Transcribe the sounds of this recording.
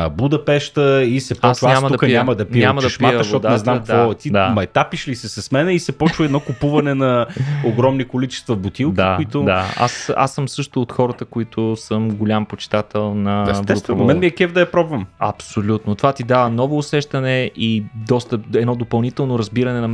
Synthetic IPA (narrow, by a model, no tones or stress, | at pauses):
bud̪ɐpɛʃt̪əisɛpɔasɲamɐd̪ɐkɲʲamɐd̪ɐpiamɐd̪ɐʃpiəʃvɔtd̪anɛzamkd̪vɔɛt̪id̪amɐɛt̪apiʃlisɛsɐsmɛnɛisɛpɔt͡ʃvəɛd̪nɔkʊpuvɐnɛnɐoɡɾɔmnikolit͡ʃɛ̥st̪vɐbʊt̪ilˠkd̪iaʊit̪ʊd̪aa̰sa̰sːɤmsɤʃt̪ʊːt̪xɔɾət̪əkoit̪ʰʊsəmɡolʲampot͡ʃɪ̥t̪at̪ɛlˠnɐ̰svɛt̪ɛmɛnmiɛkɛvd̪ɐjɐpɾɔbvɐmɐ̰psolʲut̪not̪ovat̪id̪avənɔvoːsɛʃt̪ɐnɛʔid̪ɔst̪əɛd̪nɔd̪opɐlˠnit̪ɛlˠnoɾɐzbiɾɐnɛnɐ